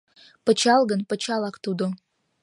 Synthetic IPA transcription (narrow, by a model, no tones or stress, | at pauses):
pət͡ɕɑlˠɡənpə̆t͡ɕɑlˠɑkt̪ud̪o